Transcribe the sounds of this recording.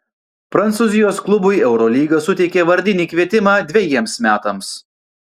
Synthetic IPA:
pɾɐnt̪suːzʲɪjoːsklˠʊbʊɪɛʊɾɔlʲiːɡɐsʊt̪ʲɛɪkʲeːʋɐɾʲd̪ʲɪnʲiːkʋʲiɛt̪ʲɪmɑːd̪ʲʋʲɛjiɛmsmʲæːt̪ɐms

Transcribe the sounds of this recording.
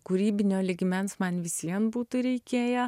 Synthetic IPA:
kuɾʲiːbʲɪnʲoːlʲɪɡʲɪmʲɛnsmɐnʲʋʲɪsʲiɛnbuːt̪ʊɾʲɛɪkʲeːjɛ

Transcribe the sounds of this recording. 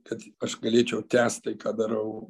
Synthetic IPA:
kɐt̪ɐʃɡɐlʲeːt͡ʃʲɛʊt̪ʲæːst̪t̪ɐɪkɑːd̪ɐɾɐʊ

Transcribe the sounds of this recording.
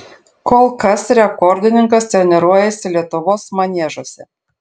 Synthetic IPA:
kɔlˠkɐsɾʲɛkɔɾʲd̪ʲɪnʲɪŋkɐst̪ʲɾʲɛnʲɛɾuɔjɛsʲɪlʲiɛt̪ʊʋoːsmɐnʲeɛʒosʲɛ

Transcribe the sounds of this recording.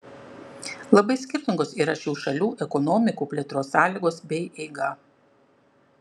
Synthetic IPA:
lˠɐbɐɪsʲkʲɪɾʲt̪ʲɪŋɡoːsiːɾɐʃʲuːʃɐlʲuːʔɛkɔnɔmʲɪkuːpʲlʲɛːt̪ɾoːsːɑːlʲiːɡoːsbʲɛɪʔɛɪɡɐ

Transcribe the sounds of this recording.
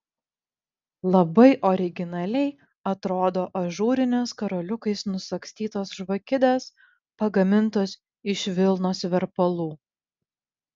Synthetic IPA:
lˠɐbɐɪʔɔɾʲɪɡʲɪnɐlʲɛɪ | ɐt̪ɾoːd̪oːʔɐʒuːɾʲɪnʲɛskɐɾoːlʲʊkɐɪsnʊsɐksʲt̪ʲiːt̪oːsʒʋɐkʲɪd̪ʲeːs | pɐɡɐmʲɪnˑt̪oːs | ɪʃʲʋʲɪlˠnoːsʋʲɛɾpɐlˠuː

